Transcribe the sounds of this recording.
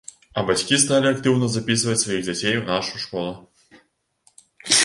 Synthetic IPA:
ɐbat͡sʲkʲist̪alʲiakt̪ɨwnɐzapʲisvɐt͡sʲsvajiɣd͡zʲat͡sʲejnaʂujuʂkɔlˠɐ

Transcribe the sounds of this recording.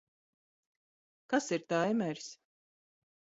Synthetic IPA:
kasiɾt̪ajmæɾʲs

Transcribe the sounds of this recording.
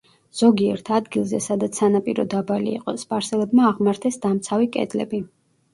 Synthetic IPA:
z̥ɔɡiɛɾt̪ʰad̪ɡilˠzɛsad̪at̪sʰanapʼiɾɔ̰d̪abalḭːqʼɔspʼaɾsɛlɛbmaːʁmaɾt̪ʰɛsd̪amt̪sʰavikʼɛ̰d̪lɛ̰bi

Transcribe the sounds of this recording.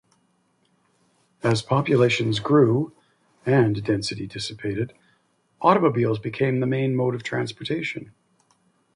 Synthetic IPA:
ɨz̥pʰɑpjɨleɪʃɨ̃nzɡɹʉ | ɨ̃ndɛ̃nsɨɾidɪsɨpʰeɪɾɨɾ | ʔɔɾəmoʊbilˠzbɨkʰẽɪ̃mðɨmẽɪ̃nmoʊɾʌv̥tʰɹ̥æ̃nspə˞tʰeɪʃɨ̃n

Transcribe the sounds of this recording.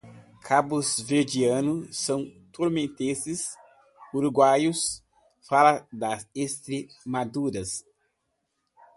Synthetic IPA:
kʰabʊzved͡ʒiɐ̃nʊsɐ̃w̃t̪uɾmẽnt̪ezɪs | uɾuɡwajʊs | falɐd̪ɐzest̪ɾemad̪uɾɐs

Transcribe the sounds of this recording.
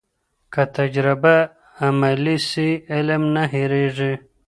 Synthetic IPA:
kat̪ɐd͡ʑɾabaː | malisiilmnaɦiɾeʐi

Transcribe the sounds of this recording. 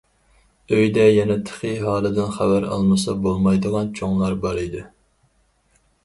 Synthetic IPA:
øjd̪ɛjɛnɛt̪ʰə̥χɨɦɑːlˠɨd̪ɪnχæbæɾɑ̰lˠmɨsɑbolˠmɑjd̪ɨlɑnt͡ʃʰoŋlˠɑɾbɑɾid̪ɨ

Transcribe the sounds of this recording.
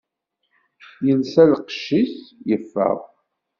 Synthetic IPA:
jənsælqʃːisjəfːə̰ʁ

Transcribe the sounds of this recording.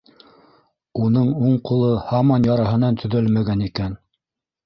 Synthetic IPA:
unɤɴuɴqulˠɤhɑmɑnjɑɾɑɦɤ̆nɑnt̪ʰɵ̆ðɵlmæɡænikæn

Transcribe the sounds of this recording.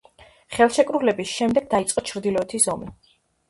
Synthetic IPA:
χɛlˠʃɛkʼɾulɛbisʃɛmd̪ɛɡ̚d̪ait̪sʼqʼɔt͡ʃʰɾd̪ilɔɛt̪ʰisɔmi

